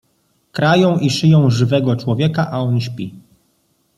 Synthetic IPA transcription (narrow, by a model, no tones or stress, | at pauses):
kɾajɔ̃w̃ʔiʂɘjɔ̃w̃ʐɘvɛɡɔt͡ʂwɔvʲjɛkaʔaɔnɕpʲi